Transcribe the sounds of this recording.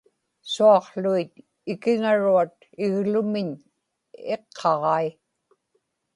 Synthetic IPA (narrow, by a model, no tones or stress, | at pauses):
suɑqɬuit̪̚ | ɪkɪŋaɻuat̪ | ɪɣlʊmɪɲ | eqʰːɑʁɑi